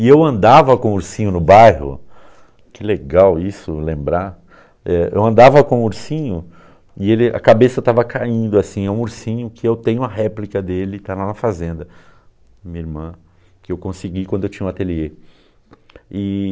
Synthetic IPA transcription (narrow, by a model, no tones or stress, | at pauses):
ɪewɐ̃nd̪avɐkõuɾsĩɲʊnʊbajhʊ̰ | kɪleɡawisʊ̰lẽmbɾa | ɛʔḛwɐ̃nd̪avɐkõuɾsĩɲʊ | ɪelɪa̰kabesɐt̪avɐkaĩnd̪ʊasĩɛũuɾsĩɲʊkʰɪewt̪ẽɲʊũɐɦɛplikɐd̪elɪt̪alanɐfazẽnd̪ɐ | mĩɲɐiɾmɐ̃ | kɪewkõsɪɡikwɐ̃d̪ʊewt͡ʃĩɲɐũat̪elie | ɪ